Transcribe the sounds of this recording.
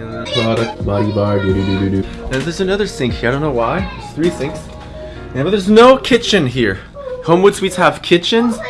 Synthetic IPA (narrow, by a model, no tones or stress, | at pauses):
pʰɹ̥ɑɾək̚t̚bɑɾibɑɹdʉdʉdʉdʉdʉɨ̃nðə˞zɨnʌðə˞sɪ̃ŋkʰaɪõʊ̃nːoʊwaɪðəz̥θɹisɪ̃ŋks | nab̚ðə˞znoʊkʰɪt͡ʃɨ̃nɦiɹ | hõʊ̃mwɨd̥swidz̥həv̥kʰɪt͡ʃɨ̃nz̥